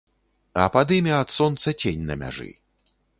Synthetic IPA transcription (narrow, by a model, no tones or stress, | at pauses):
ɐ̰pad̪ɨmʲɛɐt̪sɔnt̪sɐt͡sʲenʲnɐ̰mʲa̰ʐɨ̰